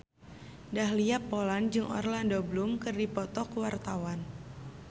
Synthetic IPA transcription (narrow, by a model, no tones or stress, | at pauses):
dahliapːoland͡ʒɨŋʔɔ̰rlandoblumkɨrdipɔt̪ɔkuwart̪awan